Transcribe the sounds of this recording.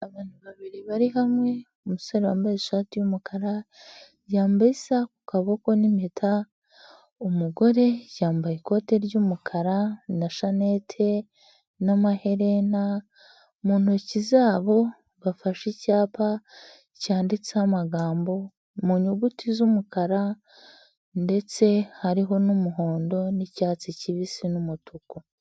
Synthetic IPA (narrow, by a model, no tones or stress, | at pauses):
aβaːn̥uβaβiɾiβaɾiɦamŋe̞ | omusoɾeβa̰ːmbajeʃaːtijumukaɾa | jaːmbaisaku̥kaβokonimetʰa | omuɡo̞ɾe̞jaːmbajiko̞ːte̞ɾɟumukʰaɾanaʃane̞tʰe | namaheɾena | muːn̥ocizaːβo̞ | βafaʃicaːpa | caːndit͡seamaɡaːmbo̞ | muɲuɡutizumukaɾa | nde̞t͡se̞haɾiɦo̞numuɦo̞ːndo̞nicaːt͡siciβisinumutʰuku